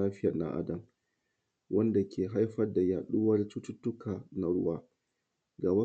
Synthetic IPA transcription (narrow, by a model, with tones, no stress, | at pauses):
aː˦ɸɪ˦ja˨na̰˦˨ʔa̰˦dɐ˨m | wʔɐ˦nda˨kʲʰeː˨ɦa˦jɸɐ˦rda˨jaː˨ɗuː˦wɐ˦ra˨˦tʊ˦tʊ˦tːʊ˦kʰaː˨na˦ɽʊ˦waː˦ | ɡaː˨bɐ˦